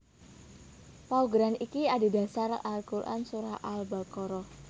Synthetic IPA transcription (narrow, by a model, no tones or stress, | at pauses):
pauɡɾanikiadi̤da̤saralkuɾʔa̰nsuɾahʔalbakɔɾɔ